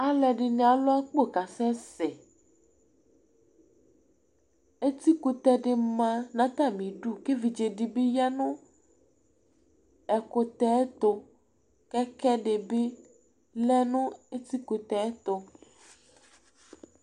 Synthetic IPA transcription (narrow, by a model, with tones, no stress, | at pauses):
a˦lɛ˨ɖɪ˨n˨a˨lɔ˦k͡po˦˨ka˨sɛ˦sɛ˨ | e˦t̪i˦kʊ˨t̪ɛ˨ɖɪ˨mã˨nã˨t̪ã˦˨mĩ˨ɖu˦˨ke˦vi˨d͡ʒe˨ɖɪ˨be˦ja˦nʊ̃˦ | ɛ˨kʊ˨t̪ɛ˦t̪o˦ | kɛ˦kɛ˦ɖe˨be˦ | lɛ˦nʊ̃˦e˦t̪i˦ko˨t̪ɛ˨˦t̪o˨